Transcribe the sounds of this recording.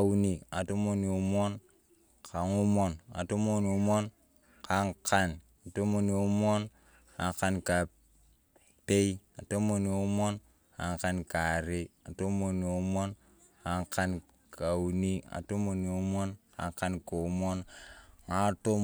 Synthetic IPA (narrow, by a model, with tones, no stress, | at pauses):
u˨ni˨a˨to˦mo˦ni˨u˦mo˦n | ka˨ŋu˦mo˦na̰˨to˦mo˦ni˨u˦mo˦n | ka˨˦ŋka˦n | a˨to˦mo˦ni˨u˦mo˦n | ka˨ŋka˦nka˨ | pe˦ja˨to˦mo˦ni˨u˦mo˦n | ka̰˨ŋka˦nka˨ɾe˦a˨to˦mo˨ni˨u˦mo˦n | ka˨˦ŋka˦n | ka˨u˨ni˦a̰˨to˦mo˨ni˨u˦mo˦nka̰˨ŋka˦nko˨u˦mo˦nŋa˦to˦